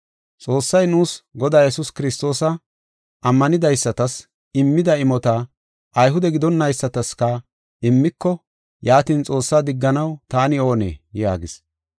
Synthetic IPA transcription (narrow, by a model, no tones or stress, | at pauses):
t͡sʼo̞ːsːɐjnuːsɡɔd̪aːjɛsʊskɪɾɪst̪o̞ːsɐ | ʔɐmːɐnɪd̪ɐjsːɐt̪ɐs | ɪmːɪd̪ɐɪmɔt̪ɐ | ʔɐjɦʊd̪ɛɡɪd̪ɔnːɐjsːɐt̪ɐskɐ | ɪmːɪkːɔ | jaːt̪iːnt͡sʼo̞ːsːaːd̪ɪɡːɐnɐwt̪aːnɪo̞ːnḛːja̰ːɡɪs